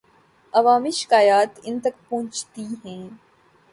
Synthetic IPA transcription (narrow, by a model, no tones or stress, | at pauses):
ɐʋaːmiːʃɪ̥kaːjaːt̪ɪnt̪ɐk̚põɦt͡ʃt̪iɦɛ̃ː